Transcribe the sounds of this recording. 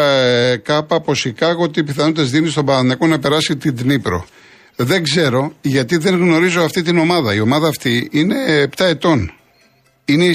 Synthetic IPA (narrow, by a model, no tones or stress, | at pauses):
kɐpɐpo̞sikɐɣot̪ipiθɐnot̪ezðinist̪o̞bɐɐnɐko̞nɐpe̞ɾɐsit̪id̪nipɾo̞̰ | ðe̞ŋɡze̞ɾo̞ʝɐt̪iðe̞ŋɣno̞ɾizo̞ɐft̪it̪̬ino̞mɐðɐio̞mɐðɐːft̪iine̞ːpt̪ɐe̞t̪o̞n | inei